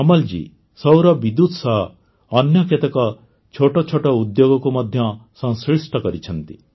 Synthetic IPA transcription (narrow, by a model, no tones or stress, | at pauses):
ɔmɔld͡ʒḭ | sɔwɾɔbid̪ut̪sɔɦː | njɔket̪ɔkɔ | t͡ʃʰoʈɔt͡ʃʰoʈɔud̪joɡɔkumɔd̪ʱjɔsɔŋsɾisʈʰɔkɔɾit͡ʃʰɔnt̪ḭ